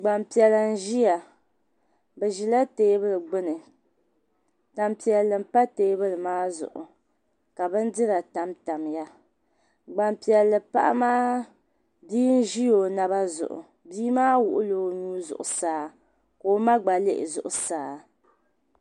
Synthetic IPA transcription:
ɡ͡ba˨mpi˨ɛ˨la˨n̩˦ʒi˦ja˨ | bɛ˨ʒi˨la˦teː˦bɨ˦lɨ˨ɡ͡bɨ˦nɨ˨ | ta˨mpi˨ɛ˨lːɨ˨m̩˦pa˦teː˨˦bɨ˦lɨ˨maː˦zʊ̰˨ʔʊ̰˨ | ka˨bɨ˦n˦dɨ˦ɾa˨ta˨mta˨mja˦ | ɡ͡ba˨mpi˨ɛ˨lːɨ˨pa̰˦ʔa̰˦maː˦ | biː˦n̩˦ʒi˦jo˨na˨ba˦zʊ̰˨ʔʊ̰˨ | biː˦maː˦wʊ˨ʔʊ˦lo˨˦˨nuː˦zʊ̰˨ʔʊ̰˨saː˨˦ | koː˨˦ma˦ɡ͡ba˨le˦ʔɪ̰˨zʊ̰˨ʔʊ˨saː˨

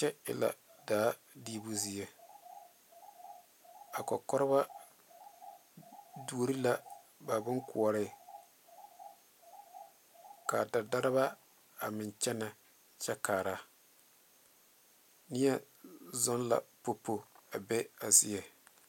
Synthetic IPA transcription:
t͡ʃɛ˦ɪ̰˨la̰˨daː˨˦ | diː˦bu˦zi˦ɛ˨ | a˨kɔ̰˨kɔ˦ɾɪ˦ba˦ | du˨o˨ɾi˦la˦ | ba˨bɪ˦ŋkʊ˨ɔ˨ɾɪ˦˨ | ka̰˨da˨da˦ɾɪ˦ba˦ | a˨mɪ˨nt͡ʃɛ˦nɛ˨ | t͡ʃɛ˦kaː˨ɾa˦ | nɪ˦ɛ˦ | zɔ˦n˦la̰˨po˨pːo˦˨a˨bɛ˦a˨zɪ˦ɛ˨

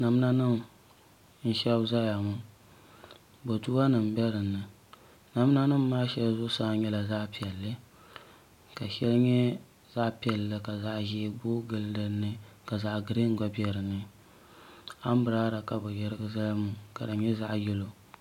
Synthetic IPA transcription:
na˨m˦na˦nɨ˦m | n̩˦ʃɛ˦bza˦ja˨mʊ˦ | bo˨tu˦ba˦nɨ˨m˨bɛ˦ɾɨ˨nːɨ˨ | na˨m˦na˦nɨ˦mːaː˦ʃɛ˦lzʊ˦saː˦˨˦ɲɛ˦la˨za˦ʔpi˨ɛ˨lːɨ˦ | ka˨ʃɛ˦lɲɛ˦ | za˦ʔpi˨ɛ˨lːɨ˨ka˨za˦ʔʒi˦bo˦ɡɨ˦ldɨ˦nːɨ˦ka˨za˨ʔɡɨ˨ɾi˦ŋ˦ɡa˦bi˦ɛ˨ɾɨ˨nːɨ˦ | a˦m˦bɨ˨ɾaː˦ɾa˨ka˨bʊ˨jɛ˦ɾɨ˦ɡɨ˦za˦la˦mʊ˨ka˨dɨ˨ɲɛ˦za˦ʔjɛ˦lo˨

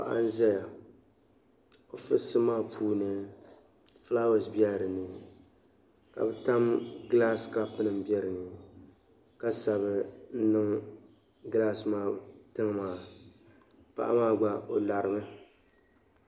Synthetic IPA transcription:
pa̰˨ʔa̰˦n̩˦zɛ˦ja˨ | o˨fɨ˦sɨ˦maː˦pʰuː˦nɨ˦ | fla˦wa˨sbi˦ɛ˦ɾɨ˨nɨ˨ | ka̰˨bɨ˦ta˦mɡla˦ska˦pɨ˦nɨ˨mbjɛ˦ɾɨ˨nɨ˨ | ka˦sa˨βɨ˦n̩˦nɨ˦ŋ | ɡla˦smaː˦˨tɨ˦ŋ˦maː˦˨ | pa̰˦ʔa̰˦maː˦ɡ͡ba˦o˨la˨ɾɨ˨mɨ˦

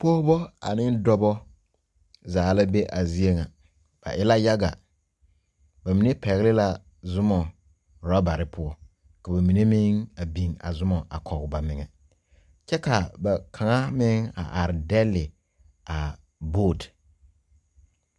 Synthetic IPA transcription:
pɔː˦bɔ˦a̰˨nɪ˦n˦dɔ˦bɔ˦ | zaː˨la˦be˦ʔa˨zi˦e˦ŋa˨ | b̥a̰˨ʔɪ˦la˦ja˦ɡa̰˨ | ba˨mi˨ne˦pɛ˨ɣɪ˦lɪ˦la˨ | zʊ˦mɔ˨ | ɾa˦ba˨ɾɪ˦pʰʊ˦ɔ˦ | ka˨ba˨mi˨ne˦mɪ˦ŋa˨bi˨ŋa̰˨zʊ˦mɔ˨a̰˨kʰɔ˨ɣʊ˨ba˨mɪ˨ŋɛ˨ | t͡ʃɛ˦ka˨ba˨kʰa˨ŋa˦mɪ˦ŋa̰˨ʔa˨ɾɪ˨dɛ˦lːɪ˨ | a˨ | boː˦˨t

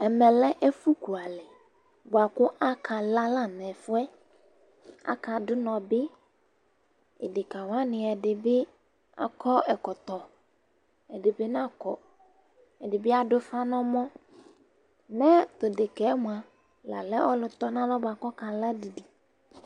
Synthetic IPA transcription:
ɛ˨mɛ˨lɛ˦ʔe˦fu˦ku˨a˨lɛ˨ | bo˨a˨kʊ˦ʔa˦kʰa˨la˦la˦nɛ̃˨fʊ˦ɛ˦ | a̰˦ka˨dʊ˦nɔ̃˨bɪ˦ | ɛ̰˨dɪ˨ka˨wa˦nɪ̃˨ɛ˨dɪ˨bɪ˦ | a̰˦kʰɔ˦ɛ˨kɔ˨t̪ɔ˨ | ɛ˨dɪ˨be˦nã˦kɔ˨ | ɛ˨dɪ˨bɪ˦a˨ɖʊ˦fa˦nɔ̃˦mɔ̃˦ | nɛ̃˦t̪o˨dɪ˨kɛ˨˦m˨a˨ | la̰˨lɛ˦ʔɔ˦lʊ˨t̪ɔ˦nã˦lɔ̃˦ba˨kɔ˦ka˨la˦di˨di˨

